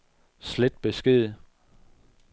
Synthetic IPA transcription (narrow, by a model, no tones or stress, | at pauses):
sled̥̚b̥e̝sɡ̥e̝ð̰ˠ